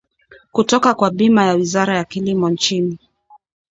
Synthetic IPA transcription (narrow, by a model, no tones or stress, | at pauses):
kutɔkakwaɓimajawizaɾajakilimɔnt͡ʃini